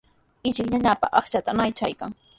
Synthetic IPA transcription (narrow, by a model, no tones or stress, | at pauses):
ɪt͡ʃɪkɲaɲapa̰ʔɑχt͡ʃat̪anajt͡ʃa̰jkaŋ